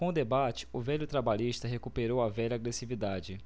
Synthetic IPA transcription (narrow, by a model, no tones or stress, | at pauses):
kõʊd̪ebat͡ʃɪ̥ʊvɛʎʊt̪ɾabaʎiʃt̪ɐɦekupeɾowɐvɛʎɐaːɡɾesivid̪ad͡ʒɪ